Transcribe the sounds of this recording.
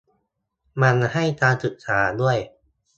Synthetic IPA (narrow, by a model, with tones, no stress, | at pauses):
ma˧nha˥˩jt͡ɕ̪aː˧nsɯ˨˩k̚saː˩˦du˥˩əj